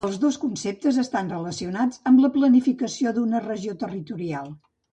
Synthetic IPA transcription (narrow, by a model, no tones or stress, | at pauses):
əlˠzðoskunsep̚t̪əzəst̪anrələsiunad͡zəmbləplənifikəsioðunərəʒiot̪ərit̪uɾialˠ